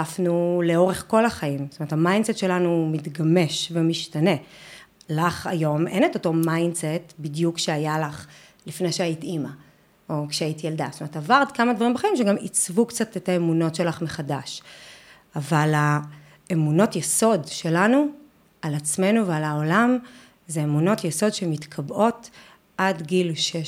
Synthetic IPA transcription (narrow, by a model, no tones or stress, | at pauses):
afnuleo̞ʁeχko̞laχaimstometʰamajndsetʃe̞lanumitɡame̞ʃvemiʃtane̞ | laχa̰jo̞me̞̰netoto̞majndsetbidjukʃeajalaχ | lifne̞jʃeajit̪ima | o̞kʃeaitijeldastometavaʁt̪kamad̪vaʁimbeχaimʃeɡamit͡svukt͡satetaemuno̞tʃe̞laχmeχadaʃ | avala | emuno̞tjeso̞dʃelanu | alat͡sme̞nuvealaolam | zeːmuno̞tjeso̞dʃemitkʰabʔo̞t | ʔadɡilʃe